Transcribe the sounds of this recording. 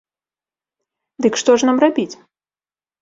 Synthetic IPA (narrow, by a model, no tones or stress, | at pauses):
d̪ɨkʂt̪ɔʐnamrabʲit͡sʲ